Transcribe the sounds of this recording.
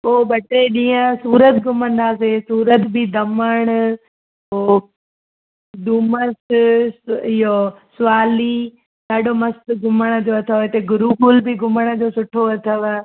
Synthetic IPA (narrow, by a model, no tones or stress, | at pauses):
poːbɐʈeɗĩːə̃suːɾət̪ɡʱʊmə̃nd̪aːsesuːɾət̪bɪd̪ɐməɽ̃ | oː | ɗ̪uːməs | ɪɦosʊʋaːli | ɗ̪aːɖomɐst̪ɡʊməɽ̃ə̆d͡ʑoːɐt̪ʰəʋt̪eɡʊɾukuːlbɪɡʱʊməɽ̃ə̆d͡ʑoːsʊʈʰoɐt̪ʰəʋ